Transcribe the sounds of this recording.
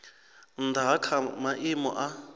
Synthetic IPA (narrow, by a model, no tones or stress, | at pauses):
nd̪akʰamaʔimɔ̰ʔa